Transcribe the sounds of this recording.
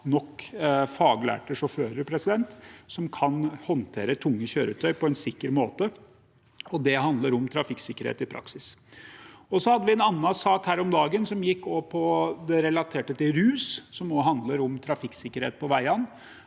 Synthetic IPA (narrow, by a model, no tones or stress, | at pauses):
nɔkːfɑːɡlæ̰ːʈəʂɔføːɾəɾpʰɾɛsɪd̪ɛnt̪sɔmkʰɑnhɔnt̪ʰeːɾət̪ʰʊŋːəçøːɾət̪ʰœʏpʰɔɛnsɪkːəɾmoːt̪ə | ɔd̪ɛɦɑnd̪ləɾɔmt̪ʰɾɑfɪksɪkːəɾhḛːt̪ɪpʰɾɑ̰ksɪs | ɔsɔhɑd̪ːəʋɪɛnɑnːɑsɑːkhæːɾɔmd̪ɑːɡənsɔmjɪkːɔːpʰɔd̪ɛɾɛlɑt̪ʰeːʈət̪ɪɾʉːssɔmɔɦɑnd̪ləɾɔmt̪ʰɾɑfɪkːsɪkːəɾeːt̪̚pʰɔʋæɪɑnː